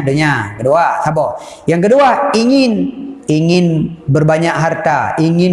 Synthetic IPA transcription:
doɲaŋkəduasabɔ | jaŋkəduaiŋɪniŋɪnbərbaɲak̚ɦart̪a̰iŋɪn

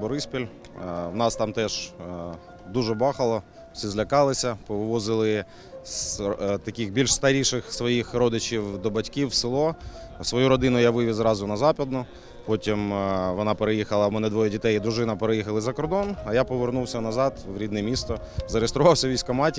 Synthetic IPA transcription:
bɔɾɪspʲilʲ | wnɑst̪ɑmt̪ɛʒ̥ | d̪uʒɛbɑxɐlˠɔ̥ | sʲizlʲɐkɑlˠɪsʲɐpɔʋɔzɪlˠɪ | st̪ɐkʲixbʲilʲʃst̪ɐɾʲiʃɪxsʋɔjixɾɔd̪ɪt͡ʃiwd̪ɔbɐtʲkʲiwsɪlˠɔ | sʋɔjuɾɔd̪ɪnʊjaʋɪʋʲizɾɑzʊnɐzɑpʲɔd̪nʊ | pɔtʲimʋɔnɑpeɾejixɐlˠɐmɛnɛd̪ʋɔjɛdʲit̪ɛjid̪ɾʊʒɪnɐpeɾejixɐlˠɪzɐkɔrd̪ɔnɐjapɔʋernuwsʲɐnɐzɑd̪ʋɾʲid̪nɛmʲist̪ɔ | zɐɾeest̪ɾʊʋɑwsʲɐʋʲijsʲkɐmɑtʲ

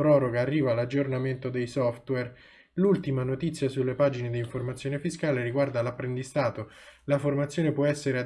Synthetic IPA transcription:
pɾɔːɾoɡaːrːiːvalad͡ʒːornament̪od̪ejsɔft̪wɛr | lult̪imanot̪it̪sːjasulːepaːd͡ʒined̪iiɱformat̪sːjoːnefiskaːleɾiɡward̪alapːɾend̪ist̪aːt̪o | laformat̪sjoːnepwɔɛsːeɾea

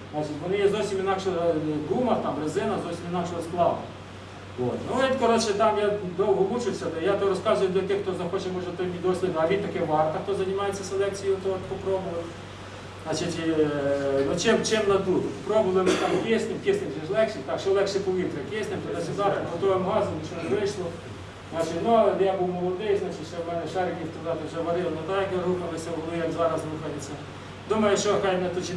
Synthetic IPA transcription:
znat͡ʃɪtʲʋɔnɪjɛzowsʲimʲɪnakʂɡ̪umɐt̪amrɪzɪnɐzowsʲimʲinɑkʂɛsklˠɑwnɐ | ʋo̰t̪nojʲit̪ʲkɔɾot͡ʃɛt̪ɑmjad̪owɦɔlˠut͡ʃɪwsʲɐd̪jat̪ɔɾɔskɑzʊjʊd̪ʲlʲɐt̪ʲɪxkt̪ozɐxot͡ʃɛt̪mɔʐɛt̪t̪ɔmʲid̪osʲlʲˠɪɐʋʲint̪ɐkɛʋɑrt̪ɐkt̪ɔzɐnʲɪmɑjet͡sʲːɐsʲelˠɛkt͡sʲijot̪ot̪pɔpɾobʊʋɐ | znɑt͡ʃɪtʲ | nɔt͡ʃɪmt͡ʃɪmnɐd̪uɦpɔpɾɔbʊʋlˠɪmɪt̪ɑmkʲesnɪmkʲɪsnɪmʒʲɛʒlˠɛkʃɪt̪ɑkʃɔlˠɛkʃɪpɔʋʲit̪ɾɪɐkʲesnɪmt̪ɔd̪ɑt͡ʃɛzɑɾɐɦɔt̪ɔʋɪmɦɑzɔmt͡ʃɔneʋɪʃlˠɔ | znɑt͡ʃɪtʲnuɐlˠɛd̪ɛjabuwmɔlˠɔd̪ɪjznɑt͡ʃɪtʲʃɛmɛnɛʃɑɾɪkʲiwt̪ɐd̪ɑt̪ɐʒɛʋɐɾɪlˠɐnɔt̪ɑjkɦukɐlˠɪsʲɐʊɔlˠɪjɛkzɑɾɐsɾuxɐlʲɪt͡sʲːɐ | d̪umɐjʊʃɔxɑjnɛt̪ut͡ʃʲi

